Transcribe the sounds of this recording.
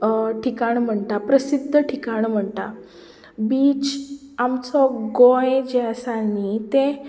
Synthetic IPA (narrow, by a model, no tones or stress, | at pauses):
ʈʰikaɳ̃m̤əɳt̪apɾəsid̪ʱːəʈʰikaɳm̤əɳt̪a̰ | biːt͡ɕ | amt͡sɔɡojed͡ʑeəsanit̪ẽ